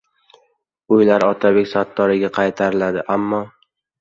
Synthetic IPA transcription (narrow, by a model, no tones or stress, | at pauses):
ʊjlaɾɒt̪ʰabekʲsat̪ːɒɾɪɡʲaqʰɑjt̪ʰaɾɪlad̪ɪʔamːɒ